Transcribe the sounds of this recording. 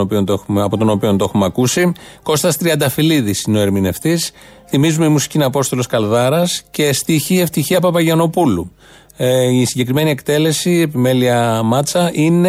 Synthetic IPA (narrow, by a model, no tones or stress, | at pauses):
opiont̪oexumeɐpot̪o̞no̞pio̞nt̪oe̞xumeɐkusiko̞st̪ɐst̪ɾiɐnd̪ɐfiliðisino̞e̞ɾmine̞ft̪isθimizumeimusi̥cinɐpo̞st̪o̞lo̞skɐlðɐɾɐscest̪içieft̪içiɐpɐpɐʝɐno̞pulu | isiɲɟe̞kɾime̞nie̞kt̪e̞le̞siepime̞liɐmɐt͡sɐʔine